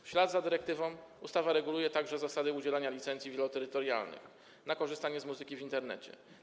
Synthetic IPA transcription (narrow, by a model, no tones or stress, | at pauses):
fɕlad̪zad̪ɘɾɛk̚t̪ɘvɔ̃w̃ust̪avaɾɛɡulujɛt̪aɡʐɛzasad̪ɘud͡ʑɛlaɲalʲit̪sɛnt̪sʲivʲjɛlɔt̪ɛɾɘt̪ɔɾja̰lnɘ̰x | nakɔʐɘst̪aɲɛzmuzɘkʲivʲint̪ɛɾnɛ̰t͡ɕɛ̰